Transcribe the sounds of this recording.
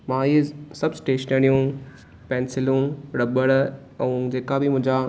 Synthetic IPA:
mãiːzsɐbsʈeːʃənəɽ̃ijũ | pɛ̃ːnsɪlũɽɐbəɭ | ɛũd͡ʑeːkabɪmʊ̃ɦɪ̃ɲd͡ʑa

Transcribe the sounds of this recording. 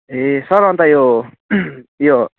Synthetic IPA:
ɦesʌɾɦʌnt̪ajo | jo

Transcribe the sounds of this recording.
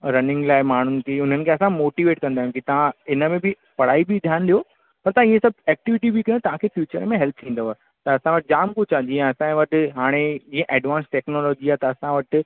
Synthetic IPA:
ɾɐnɪ̃ŋɡlaːɪmaːɳ̤ʊnɪ̆kʰeːʊn̤ənɪkʰeɐsãmoːʈiʋeːʈkɐ̃nd̪aːɦjũkit̪ɐʋ̤ãɪnəmẽbɪ | pɐɽ̤aːibid̪ʱjaːnɗijo | pɐɾt̪ɐʋãiːẽsɐbʱɛːk̚ʈɪʋɪʈibikɐot̪ɐʋ̤ãkʰefjuːt͡ɕəɾmẽɦɛlt̪ʰt̪ʰĩːnd̪oɦaː | t̪ɐɐsãʋɐʈɪd͡ʑaːmkʊt͡ʃãd͡ʑĩːẽɐsãʋɐʈʊɦaːɽ̃ed͡ʑiːẽʔɛːɖʋãːnsʈɛːknolɔːd͡ʑiaːt̪ɐɐsãʋɐʈɪ

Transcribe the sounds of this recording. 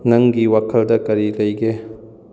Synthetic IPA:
nɐŋɡiwakʰɐldɐkɐɾilɐjɡe

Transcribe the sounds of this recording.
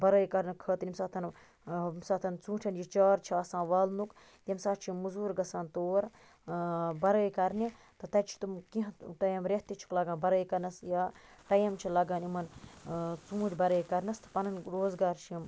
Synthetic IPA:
bɐɾəːjkɐɾnɐkʰəːt̪nʲimsaːt̪ʰɐn | msaːt̪ʰɐnt͡sũːʈʰɐnjit͡ʃaːɾt͡ʃʰiɐːsãːʋɐːlnuk | t̪imsaːt̪t͡ʃʰiimːuzuːɾɡɐsaːnt̪oːɾ | bɐɾəːjkɐɾni | t̪ɐt̪ɐt͡ʃʰi̥t̪umkiɦɐ̃ʈɐjɐmɾeht̪it͡ʃʰu̥klɐɡaːnbɐɾəːjkɐɾnɐsjaːʈɐjɐmt͡ʃʰilɐɡaːnimɐn | t͡sũːd͡ʒʲbɐɾəːjkɐɾnɐst̪ʰɐ̥pɐnɐnɾoːzɡaːɾt͡ʃʰiim

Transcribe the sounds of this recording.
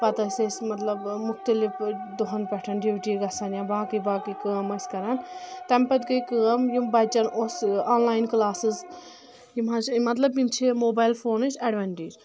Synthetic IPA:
pɐt̪ɐsʲɐsmɐt̪lɐbmʊxt̪ɐlifd̪uɦɐnpɛʈʰɐnɖibʈiɡɐsɐnjãbaːkibaːkikəːmɐsʲkɐɾɐnt̪ɐmpɐt̪kɨkəːɐmjimbɐt͡ʃɐnosaːnlaːjnklaːsɨz | jimɦɐzmɐt̪lɐbimt͡ʃʰimoːbaːjlfʰoːnɨd͡ʒɐɖʋɐɳʈiːd͡ʒ

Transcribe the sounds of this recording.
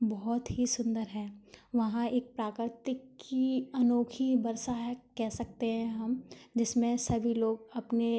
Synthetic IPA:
bɔɦt̪ɦisʊ̃nd̪əɾɦɛ̃ːʋɐɦãeːk̚pɾaːkɾɪt̪ɪkːiɐnoːkʰibɐɾsaɦɛkɛɦsɐkt̪eɦɛ̃ɦɐmd͡ʒɪsmẽsɐbʱiloːɡɐpne

